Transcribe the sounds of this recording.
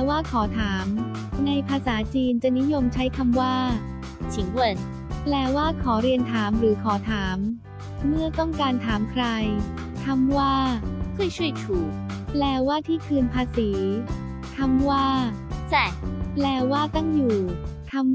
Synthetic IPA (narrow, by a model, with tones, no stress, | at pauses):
waː˥˩kʰɔː˩˦t̪ʰaː˩˦m | na˧jpʰaː˧saː˩˦t͡ɕiː˧nt͡ɕa˨˩ni˦˥jo˧mt͡ɕʰa˦˥jkʰa˧mwaː˥˩ | t͡ɕʰi˩˦ŋwɤ˧n | plɛː˧˩waː˥˩kʰɔː˩˦ɾi˧ənt̪ʰaː˩˦mɾɯː˩˦kʰɔː˩˦t̪ʰaː˩˦mː | ɯ˥˩ɐt̪ɔ˥˩ŋkaː˧nt̪ʰaː˩˦mkʰɾa˧j | t̪ʰa˧mwaː˥˩kʰɯː˥˩əjt͡ɕʰu˥˩əjt̪ʰuː˨˩k̚plɛː˧waː˥˩t̪ʰiː˥˩kʰɯː˧npʰaː˧siː˩˦ | t̪ʰa˧mwaː˥˩t͡ɕɛ˨˩plɛː˧˩waː˥˩t̪a˥˩ŋjuː˨˩t̪ʰa˧m